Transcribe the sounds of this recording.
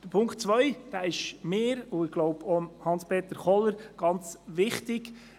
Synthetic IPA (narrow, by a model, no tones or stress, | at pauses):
d̥əɾpʰʊŋktt͡sʋœʏd̥æːɪʃmeːɾʊɪɡ̥loʊbomhɑnspʰeːt̪əɾχɔləɾɡ̥ɑnt͡sʋɪχtɪɡ